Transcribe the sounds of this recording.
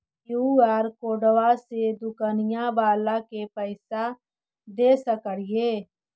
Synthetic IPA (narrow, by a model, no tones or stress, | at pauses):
juaːɾkoːɖəʋased̪ʊkanɪjãbaːlakepəɪsa | d̪eːsəkəɽɪjeː